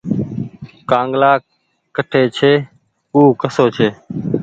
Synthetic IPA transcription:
kãːŋɡlaː | kəʈʰeːt͡ʃʰeː | uːkəsoːt͡ʃʰeː

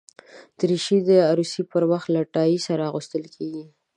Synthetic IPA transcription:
d̪̥əɾiʃid̪əaɾusipəɾwaxt̪laʈɑjisaɾaɣust̪əlkʰeɡi

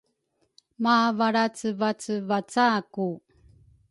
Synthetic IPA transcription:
mavaɾat͡səvat͡səvat͡saku

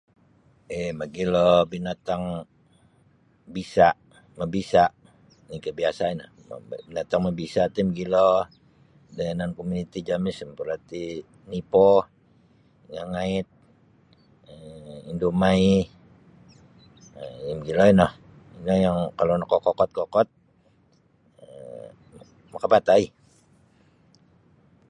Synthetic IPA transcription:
emaɡilɔbinat̪aŋ | bisa | məbisa | nikəbiasainah | binat̪aŋmabisat̪imɡilɔ | dɛnankomunit̪id͡ʒamisəmpulat̪i | nipɔ | ŋaŋaɪt̪̚ | əindomai | əimɡilɔinɔh | iŋajaŋkalonakɔkɔkɔt̪̚kɔkɔt̪̚ | ə | makapat̪ai

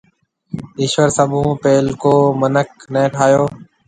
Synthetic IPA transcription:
ɪːʃʋəɾsəbʱũːpeːlkoːmənək̚nẽːʈʰaːjoː

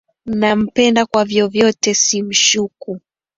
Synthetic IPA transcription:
nam̩pɛndakwavjɔvjɔtɛsim̩ʃuku

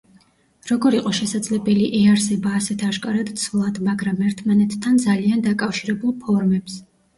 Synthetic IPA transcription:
ɾɔɡɔɾiqʼɔʃɛsad̪zlɛbɛliʔɛaɾsɛbaːsɛt̪ʰaʃkʼaɾad̪t̪sʰvlˠad̪maɡɾamɛɾt̪ʰmanɛt̪ʰt̪ʰːand̪zaliand̪akʼafʃiɾɛbulˠpʰɔɾmɛps

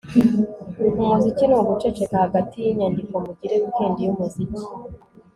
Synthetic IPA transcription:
uɾikumuzicinuuɡut͡ʃet͡ʃe̞kahaɡatijiɲandiko̞muɟiɾeɡukeːndijumuzici

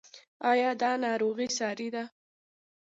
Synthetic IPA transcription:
ɑjɑd̪ɑnɑɾoɣisɑɾid̪a

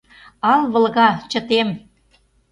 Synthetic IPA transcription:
ɑlβə̆lɣɑt͡ɕə̆t̪em

